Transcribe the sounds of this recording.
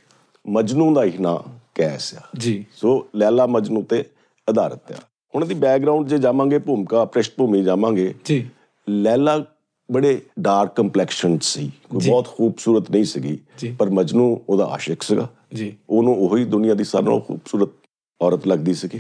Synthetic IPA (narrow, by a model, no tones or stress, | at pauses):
məd͡ʒnũːd̪aːɪna̰ːkɛːsjaːd͡ʒisoːlɛːlaːməd͡ʒnũːt̪ːeː | əd̪aːɾət̪ja̰ː | hʊɳ̃d̪iːbɛːk̚ɡɾaːʊ̃ɳɖd͡ʒeːd͡ʒaːmãːɡeːpuːmkaːpɾəʃʈpuːmiːd͡ʒaːmãːŋɡeːd͡ʒiː | lɛːlaː | bəɽeːɖaːɾkːəmplɛːkʃənsiːkoːiːbɔːt̪xuːbsuːɾət̪nəĩːsəɡḭːd͡ʒipəɾməd͡ʒnũːoːd̪a̰ːa̰ːʃəkʰsəɡa̰ː | d͡ʒioːnõːoɦiːd̪ʊnɪjãːd̪iːsa̰ːɾã̰ːxṵːbsuːɾət̪̚ | ɔːɾət̪ləɡd̪iːsəɡiː